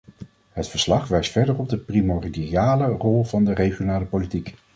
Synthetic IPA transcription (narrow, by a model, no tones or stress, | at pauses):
ɦətfəɹslɑχʋɛjstfɛɹdərɔb̚dəprimɔrdiiaːlərɔlˠvɑndərejχjonaːləpolitik